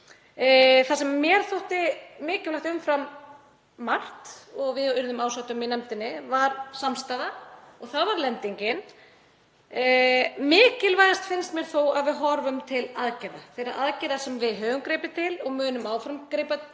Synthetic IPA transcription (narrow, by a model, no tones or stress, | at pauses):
θasɛmːjɛɾ̥θowht̪ɪmɪːcɪvlaht̪ʏmfɾamː | ar̥t̪ɔɣvɪðʏɾðʏmaːwsawt̪ʏminɛmt̪ɪnːɪvaɾsamst̪aːðaɔɣθavaɾlɛnt̪iɲcɪn | mɪːcɪlvaːjðast̪fɪnst̪mjɛɾ̥θowaðvɪðɦɔɾvʏmt̪ʰɪlaðcɪðaθejɾaðʔaðcɪðasɛmvɪðɦœːɣʏŋkɾeːpɪt̪ʰɪlɔɣmʏːnʏmaːwfɾamkɾɪpa